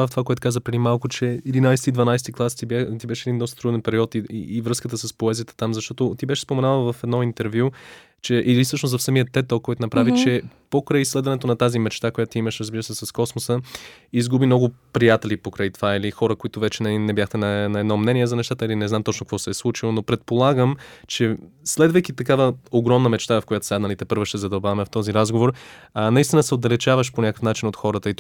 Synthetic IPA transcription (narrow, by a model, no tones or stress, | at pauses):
əft̪ovakoɛt̪ʊkazəpɾɛd̪imalˠkʊt͡ʃɛid̪inajsɛt̪id̪vɐnajsɛt̪iklˠast̪ibt̪ibɛʃɛd̪ind̪ɔst̪ət̪ɾud̪ɛnpɛɾiɔt̪iːvɾɤskət̪əsəspoɛzijət̪ə̥t̪amzɐʃt̪ɔt̪ot̪ibɛʃɛ̥spomɛnalˠvɐfɛd̪nɔint̪ɛɾvju | t͡ʃɛʔilisɤʃnost̪ɐfsɐmijət̪ːɛt̪olˠkːɔjt̪ʊnɐpɾavit͡ʃɛpokɾəjslɛd̪vɐnɛt̪onɐt̪azimɛt͡ʃt̪akojat̪ot̪iiməʃɾəzbiɾəsɛsɐskɔsmosə | izɡubimnɔɡʊpɾijat̪ɛlipokɾajt̪ovailixɔɾəkoit̪ʊvɛt͡ʃɛnnɛbjaxt̪ɛnɐɛnɐɛd̪nɔmnɛniɛzɐnɛʃt̪at̪əilinɛzamt̪ɔt͡ʃnokvɔsɛːslˠut͡ʃilˠonopɾɛt̪̚polˠaɡəmt͡ʃɛslɛd̪vəjk̟it̪ɐkavəoɡɾɔmnəmɛt͡ʃt̪avɐfkojat̪o̥sʲad̪nɐlit̪ɛpɤɾvoʃt̪ɛzɐd̪ɐlˠbavɐmɛft̪ɔziɾazɡovoɾnɐist̪ʲinəsɛod̪ɐlɛt͡ʃavəʃponʲakəfnat͡ʃinot̪xɔɾət̪əi